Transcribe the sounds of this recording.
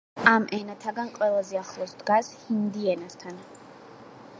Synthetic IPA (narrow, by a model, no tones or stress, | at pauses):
amʔɛnat̪ʰaɡanqʼwɛlˠazɛaχlˠɔsd̪ɡashind̪iɛnast̪ʰan